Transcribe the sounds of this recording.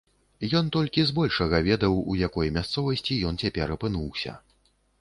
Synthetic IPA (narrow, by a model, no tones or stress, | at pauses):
jɔnt̪ɔlʲkʲizbɔlʲʂɐɣɐvʲɛd̪ɐwujakɔjmʲast̪sɔvɐsʲt͡sʲijɔnt͡sʲapʲɛɾɐpɨnuwsʲɐ̰